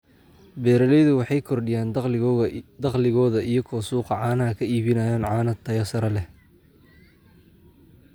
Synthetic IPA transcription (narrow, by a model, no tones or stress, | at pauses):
bɛːɾɐlɛjðʊwɑħɑjkʰɔrɖɪjaːn | d̪ɐqlɪɣɔːðɐijɔkʰɔːsuːqɑʕɑːnɐɦɐkʰɐiːβɪnɐjaːnʕɑːnɐt̪ʰːɐjɐsɐɾɐlɛ